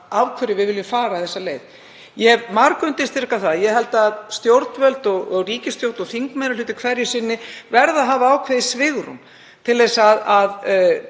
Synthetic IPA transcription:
awkʰvœɾɪvɪðvɪljʏmfaːɾaθɛsːaleːjð | jɛvmaɾkʏnt̪ɪst̪ɪɾrkaθaðjɛɦɛlt̪aðst̪jowɾt̪nvœlt̪ɔɣɔɣriːcɪst̪jowɾt̪ɔɣθiŋkmejɾalʏːt̪ɪkʰvɛɾjɪsɪnːɪvɛɾðaɦaːvaaːwkʰvɛðɪsvɪːɣɾʏ̰m | t̪ʰɪlðejsaðað

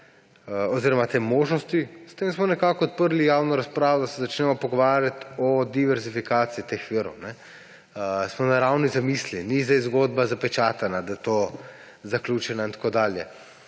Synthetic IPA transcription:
ɔziːɾɔmat̪eːmoːʒnɔst̪ist̪emsmɔnɛkaːkɔːt̪̚pəɾlijaːwnɔɾaspɾaːʋɔd̪asɛzat͡ʃnɛmɔpɔɡɔʋaːɾjat̪ɔd̪iʋɛɾzifikaːt̪siːt̪exʋiɾɔ̰wnɛ | smɔnaɾawnizamislinizd̪ajzɡoːd̪̚bazapɛt͡ʃaːt̪anad̪ajɛt̪oː | zaklʲuːt͡ʃɛnaint̪ḁkoːd̪aːljɛ

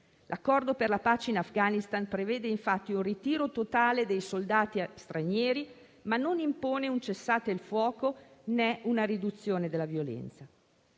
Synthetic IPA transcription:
lʔakːɔrd̪operlapaːt͡ʃeinafɡanist̪anpɾeveːd̪eiɱfat̪ːiunrit̪iːɾot̪ot̪aːled̪ejsold̪aːt̪ist̪ɾanjɛːɾi | manːonimpoːneunt͡ʃesːaːt̪eilfwɔːkonɛunaɾid̪ut̪sːjoːned̪elːavjolɛ̰nt̪sa

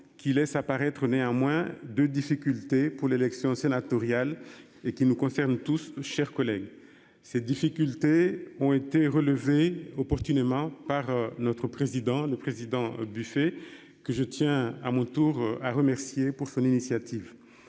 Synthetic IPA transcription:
kʲʰilɛsapaʁɛt̪χəneɑ̃mwɛ̃d̪ød̪ifikʲylt̪epuʁlelɛksjɔ̃senat̪ɔʁjal | ekʲinukɔ̃sɛʁnt̪usʃɛʁkɔlɛɡ | sɛd̪ifikʲylt̪eɔ̃et̪eʁələveɔpɔʁt̪ynemɑ̃paʁnɔt̪χəpχezid̪ɑ̃ləpχezid̪ɑ̃byfe | kəʒət̪jɛ̃amɔ̃t̪uʁaʁəmɛʁsjepuʁsɔ̃ninisjat̪iv

